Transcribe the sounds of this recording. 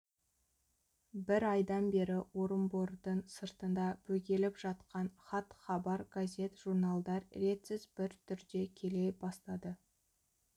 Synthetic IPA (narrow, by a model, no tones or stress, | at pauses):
bɪɾɑjd̪ɑnbe̞ɾɪwo̞ɾəmboɾd̪əɴsəɾt̪ənd̪ɑbʰɵkʲe̞lɪpʒɑt̪qɑnχɑt̪χɑbɑɾɡazʲe̞t̪ʒuɾnalˠd̪ɑɾɾe̞t̪sɪzbɪɾt̪ʰʏɾd̪e̞kʲʰe̞le̞bɑst̪ɑd̪ə